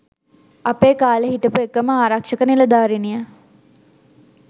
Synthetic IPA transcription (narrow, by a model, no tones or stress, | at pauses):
apeːkaːləɦiʈ̪əpuekəməaːɾakʂəkənilɐd̪aːɾinijə